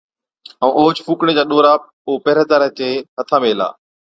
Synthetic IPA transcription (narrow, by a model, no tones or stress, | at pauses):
əũːʔoːd͡ʑfuːkɽ̃ed͡ʑaːɗoːɾaː | oːpɛːɾeːd̪aːɾət͡ɕeːɦət̪ʰãːmeːla̰ː